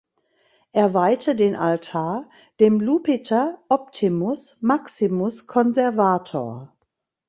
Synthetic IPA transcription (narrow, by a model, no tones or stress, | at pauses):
ʔeːɐvaɪtʰədeːnʔaltʰaːɐ | d̥eːmluːpɪtʰɐʔɔp̚tʰimʊsmaksimʊskʰɔnzɛɐvaːtʰoːɐ